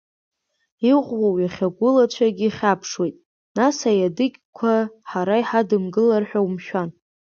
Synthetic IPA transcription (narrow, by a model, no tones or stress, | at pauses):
iʁʷwowjaχʲaɡʷʊlat͡ʃʷʰaɡʲiːχʲapʰʂwejtʼ | nasajadɨkʲkʷʰaħaɾaiħadɨmɡɨlarħᶣawmʃᶣan